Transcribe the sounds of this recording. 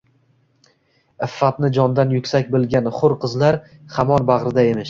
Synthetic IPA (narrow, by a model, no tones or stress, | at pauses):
ɪfːat̪nɪd͡ʒɒnd̪anjʊkʲsakʲbɪlˠɡʲanχʊɾqʰɨzlaɾ | hamɒnbɑʁɾɪd̪aemɪʃ